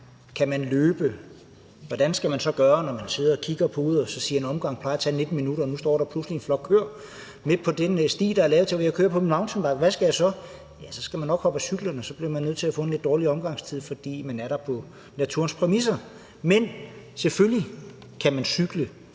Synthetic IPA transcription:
kʰæmænløːb̥ə | ʋɒd̥ænsɡ̥æmænsɒ̽ɡ̥ɶːɐnɒmænse̝ð̞̰ˠɐːkʰiɡ̥ɐpʰɒuð̩ˠsɒ̽siːɐenɒ̽mɡ̥ɑ̈ŋ̰pʰlɑ̈ɪɐt͡sʰɛ̰ne̝d̥n̩minuɾɐːnusd̥ɒ̰ːɾ̥ɑ̈pʰluslienflɒ̽ɡ̥̚kʰøɐ̰ | mepʰɒ̽d̥ensd̥ḭːd̥ɑ̈æɐlɛːʊt͡sʰelʋejɑɪkʰøːɐpʰɒ̽minmɑ̈ʊnsʰɒnb̥ɑ̈ɡʋæsɡ̥æjɑsɒ̽ | jæsɒ̽sɡ̥æmænːɒ̽ɡ̥hɒ̽b̥æsyɡ̥lənɒ̽sɒ̽b̥liɐmænøð̰ˠʰeæfɔ̽ːnle̝d̥ːɒːliɒ̽mɡ̥ɑ̈ŋst͡sʰið̰ˠfɒ̽d̥ḭːmænæɐɾɑ̈pʰɒ̽ | næt͡sʰṵɐnspʰʁɛmis̬ɐ | men | sefølji | kʰæmænsyɡ̥lə

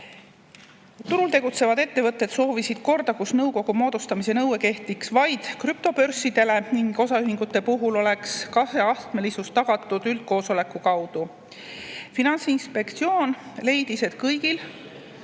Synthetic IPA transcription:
t̪uɾult̪e̞ɡ̥ut̪se̞vɑd̪e̞t̪ːe̞vɤt̪ːˑe̞d̪so̞ːvisid̪̥̚ko̞rd̪ɑkusnɤwko̞ɡ̥umo̞ːd̪̥ust̪ɑmise̞nɤweke̞ht̪iksvɑjd̪̥kryp̚t̪o̞pø̞rsːid̪̥e̞le̞niŋɡo̞sɑyɦiŋɡ̥ut̪ːˑe̞puɦulo̞le̞kskɑse̞ɑst̪me̞lisust̪ɑɡ̥ɑt̪ːˑud̪yld̪̥̚ko̞ːso̞le̞kːˑukɑwd̪̥u | finɑnsinspe̞kt̪sio̞ːnle̞jd̪̥ise̞t̪kɤjɡ̥il

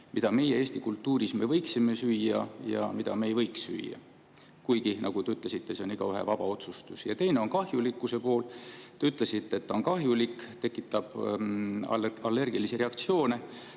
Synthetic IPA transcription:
mid̪̥ɑme̞jeeːsʲt̪ikult̪ːuːɾisme̞vɤ̞jksime̞syːjːɑjɑ̰mid̪ɑ̰me̞ejvɤjksːy̰jjːɑ̰ | kujɡinʔɑ̰ɡ̥ut̪e̞yt̪le̞sit̪ːe̞seoniɡ̥ɑyɦḛvɑb̥ɑo̞t̪sust̪usjɑ̰t̪e̞jne̞o̞nkɑhjulikːˑuse̞po̞ːlt̪eyt̪ˑle̞sit̪ːeːt̪ːɑonkɑɦjulikːt̪e̞kːˑit̪ːˑɑb̥ | ɑlːe̞rɡ̥iliseɾe̞ɑkt̪sio̞ːne̞

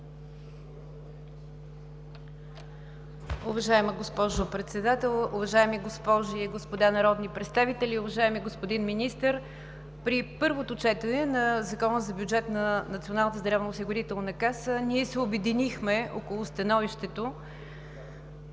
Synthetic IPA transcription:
ʊvɐʒaɛməɡospɔʒopɾɛt̪sɛd̪at̪ɛlˠʊvɐʒaɛmiɡospɔʒiɡospod̪anɐɾɔd̪nipɾɛt̪st̪avit̪ɛlʲiʊvɐʒaɛmiɡospod̪inminist̪əɾ | pɾipɤɾvot̪ot͡ʃɛt̪ənɛnɐzɐkɔnəzɐbjud͡ʒɛt̪nɐnɐt̪sionalˠnət̪əzd̪ɾavnʊsiɡʊɾit̪ɛlˠnɐkasəniɛsɛʊbɛd̪inixmɛokolˠʊst̪ɐnɔviʃt̪ɛt̪o

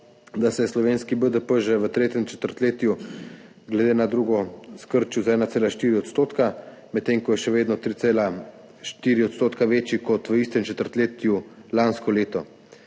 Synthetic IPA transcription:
d̪asɛslɔʋeːnskibəd̪əpəʒɛʋət̪ɾeːt̪jɛmt͡ʃɛ̥t̪əɾt̪leːt̪ju | ɡlɛd̪eːnad̪ɾuɡɔskəɾt͡ʃuzaɛːnat̪seːlaʃt̪iːɾiɔt̪st̪oːt̪ka | mɛt̪ːeːŋkɔjɛʃɛʋeːd̪nɔt̪ɾiela | ʃt̪iːɾiɔt̪st̪oːt̪kaʋeːt͡ʃjikɔt̪ʋəist̪ɛmt͡ʃɛt̪əɾt̪leːt̪julanskɔleːt̪ɔ

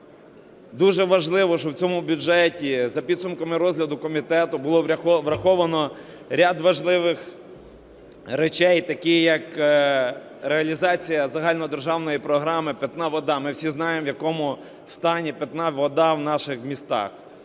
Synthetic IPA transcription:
d̪uʒɛʋɐʒlˠɪʋɔʃt͡ʃɔwt͡sʲɔmʊbʲʊd͡ʒɛtʲizɐpʲid̪sʊmkɐmɪɾɔzʲɦlʲɐd̪ʊkɔmʲit̪ɛt̪ʊbʊlˠɔʋʋɾɐxɔʋɐnɔ | ɾʲad̪ʋɐʒlˠɪʋɪx | ɾet͡ʃɛjt̪ɐkɪjɐk | ɾeɐlʲizɑt͡sʲijɐzɐɦɑlʲnɔd̪erʒɑwnɔjipɾɔɦɾɑmɪpʲɐt̪nɑʋɔd̪ɑmɪwsʲiznɑjemʋjɐkɔmʊ | st̪ɑnʲipʲɛt̪nɑʋɔd̪ɑwnɑʃɪxmʲist̪ɑ̰x

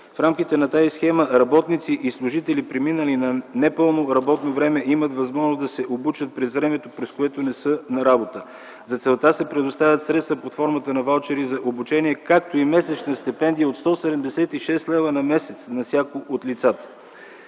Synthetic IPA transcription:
fɾamkit̪ɛnɐt̪azisxɛməɾɐbɔt̪nit̪siʔislˠʊʒit̪ɛlipɾɛminəlinɐnɛpɤlˠnoɾɐbɔt̪novɾɛmɛʔimət̪vɐzmɔʒnozd̪ɐsɛʔobut͡ʃət̪̚pɾɛzvɾɛmɛt̪opɾɛskoɛt̪onɛsɤnɐɾabot̪ə | zɐt̪sɛlˠt̪asɛpɾɛd̪ost̪avʲət̪sɾɛt̪st̪vəpot̪fɔɾmət̪ənɐvalˠt͡ʃɛɾizɐʔobut͡ʃɛniɛkak̚t̪oimɛsɛt͡ʃnɐst̪ɛpɛnd̪iəot̪st̪ɔsɛd̪ɛmd̪ɛsɛt̪iʃɛst̪lɛvənɐmɛsɛt̪snɐsʲjakoʔot̪lit̪sat̪ə̥

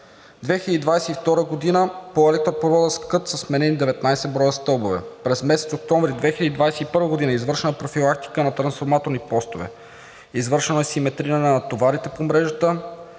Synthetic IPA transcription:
d̪vɛxiləd̪id̪vajsɛift̪ɔɾəɡod̪inəpoɛlɛk̚t̪ɾopovɔd̪əskɤt̪sɐsmɛnɛnid̪ɛvɛt̪najsɛbɾɔjəst̪ɤlˠbovɛ̰pɾɛzmɛsɛt̪sok̚t̪ɔ̃ɱvɾid̪vɛxiləd̪id̪vajsɛipɤɾvəɡod̪inəizvɤɾʃɛnəpɾofilˠak̚t̪i̥kənɐt̪ɾɐnsfoɾmat̪oɾnipɔst̪ovɛ̰ | izvɤɾʃɛnoɛsimɛt̪ɾinənɐt̪ovaɾit̪ɛpomɾɛʒət̪ə

